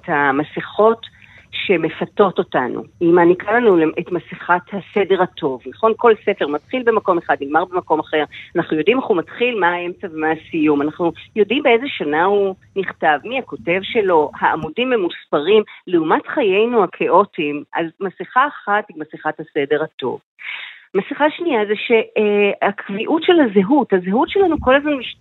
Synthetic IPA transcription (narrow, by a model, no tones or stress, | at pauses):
ethamasiχo̞t | ʃe̞me̞fato̞to̞tanʔṵimanikalanuleʔetmasiχathasede̞ʁatʰo̞vnaχo̞nko̞lse̞feʁmatχilbe̞mako̞meχad̚nilmaʁbemako̞maχe̞ʁanaχnujo̞dimeχumatχilmaae̞mt͡save̞maasijumanaχnujo̞dimbeezeʃanauniχtavmiako̞te̞vʃe̞lo̞haʔːmudimemuspaʁimleumatχajejnuakʰeʔo̞timʔa̰zmasiχaːχatiɡmasiχathase̞de̞ʁhato̞̰v | masiχaʃniazeʃe̞hakʰviʔutʃelazeɦuthazeɦutʃelanuko̞lazmanmiʃ